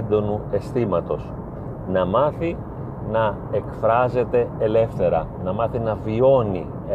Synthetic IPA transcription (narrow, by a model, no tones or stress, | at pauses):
nd̪o̞nue̞st̪imɐt̪o̞s | nɐmɐθi | nɐ | e̞kfɾɐze̞t̪e̞ele̞fθe̞ɾɐnɐmɐθinɐvio̞nḭ